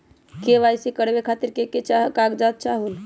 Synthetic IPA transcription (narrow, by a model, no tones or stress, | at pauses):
keβajsikəɾbekʰat̪iɾkeket͡ʃaɦkaɡd͡ʒat̪̚t͡ʃaɦul